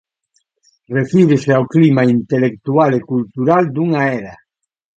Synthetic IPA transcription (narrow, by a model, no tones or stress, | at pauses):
refiɾeseawklimaint̪elek̚t̪ualekult̪uɾald̪uŋaɛɾa